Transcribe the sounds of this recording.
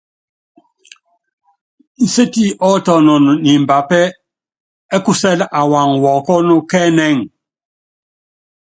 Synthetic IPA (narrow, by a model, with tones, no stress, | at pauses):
n̩˨se˦ti˦ʔɔ˦tɔ˨nɔ˨n˨ni˨m˨ba˨pɛ˦ | ɛ˦ku˦sɛ˦lʔa˨wa˨ŋwɔ˨kɔ˦nɔ˦kɛ˦nɛ˦˨ŋ